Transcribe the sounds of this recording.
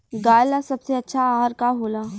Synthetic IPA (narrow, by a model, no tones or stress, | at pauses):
ɡaːjlasɐbseɐtːʃʰaaːɾkaɦoːlaː